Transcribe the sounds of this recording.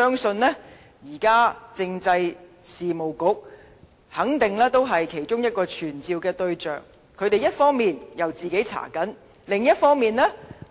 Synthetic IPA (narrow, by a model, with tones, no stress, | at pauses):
œː˥ŋsɵ˧nlɛː˥ | jiː˨˩kaː˥t͡sɪ˧ŋt͡sɐ˧j | siː˨mo˨˩wkʊ˨˥k̚ | hɐ˨˥ŋt̪ɪ˨ŋlɛː˥t̪o˥wɦɐ˨jkʰe˨˩jt͡ʃʊ˥ŋjɐ˥t̚kɔː˧t͡ʃʰyː˨˩nt͡siː˨˧wkɛː˧t̪ɵ˧ɥt͡ʃœ̰ː˨ŋ | kʰɵ˨˧ɥt̪e˨jɐ˥t̚fɔː˥ŋmiː˨njɐ˨˩wt͡siː˨ke˨˥jt͡sʰa̰ː˨˩kɐ˨˥n | lɪ˨ŋjɐ˥t̚fɔː˥ŋmiː˨nlɛː˥